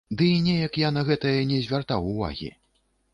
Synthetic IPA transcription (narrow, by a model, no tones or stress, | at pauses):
d̪ɨinʲɛjɐkjanɐɣɛt̪ɐjɐnʲɛzʲvʲart̪awuva̰ɣʲḭ